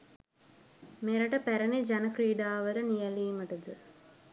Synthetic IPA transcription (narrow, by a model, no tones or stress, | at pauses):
meɾaʈəpæɾənid͡ʒanəkɾiːɖaːʋəɾənijɛliːməʈəd̪ə